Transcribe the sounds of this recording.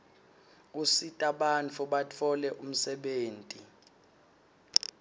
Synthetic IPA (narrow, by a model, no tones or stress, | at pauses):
k̬usitʼaɓant͡fʰuɓat͡fʰɔlɛʔum̩sɛɓeːntʼi